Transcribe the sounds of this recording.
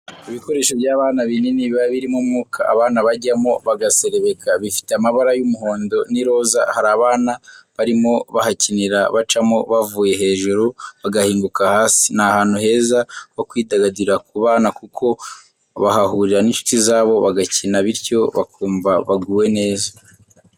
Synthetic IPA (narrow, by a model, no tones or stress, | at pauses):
iβiko̞ɾe̞ːʃovjaːβaːnaβineniβiβaβiɾimomuːkʰa̰ːβaːnaβaɟamoβaɡase̞ɾe̞βe̞kʰaβifi̥teamaβaɾajumuɦo̞ːndo̞niɾo̞za̰haɾaːβaːnaβaɾimo̞βahaciniɾa̰βat͡ʃamo̞βavuːje̞ɦe̞ːʒuɾoβaɡahiːŋɡukahaːsi̥nahaːn̥huɦe̞ːzawo̞kwiːdaɡadiɾak̚uβaːnakukʰo̞ | βa̰ɦaɦuːɾiɾaninʃu̥tizaːβo̞βaɡacinaβiɾco̞βa̰kʰuːmvaβaɡuːwe̞ne̞ːza